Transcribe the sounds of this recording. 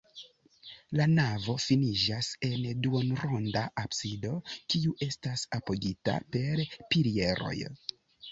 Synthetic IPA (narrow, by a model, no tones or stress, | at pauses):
lanavo̞finid͡ʒase̞nduonɾondaʔapsido̞kiuʔe̞stasapo̞ɡita̰pe̞ɾpilie̞ɾo̞̰j